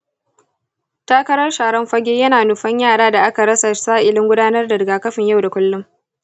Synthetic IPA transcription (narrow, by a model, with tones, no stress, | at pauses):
taː˦kɐ˦ɾɐ˦rʃaː˨ɽɐ˦mɸɐ˦ɡʲeː˦jɐ˦naː˨nʊ˨ɸɐ˦ɲjaː˦˨ɽaː˦da˨ʔa˦ka˨ɽɐ˦sa˨saː˦ʔɪ˨lɪ˦ŋɡʷʊ˦daː˦nɐ˦rda˨dɡaː˨kɐ˦ɸɪ˨ɲja˦˨wda˨kʷʊ˦lːʊ˦m